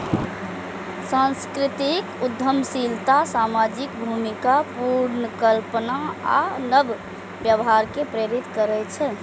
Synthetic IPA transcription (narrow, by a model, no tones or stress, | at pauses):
sãnskɾit̪ikud̪ʱːəmsilt̪asamad͡ʒikbʱumikapuɾnəkəlpənaa̰nəb | bjəbɦaɾkepɾeɾit̪kəɾɛt͡ʃʰɛ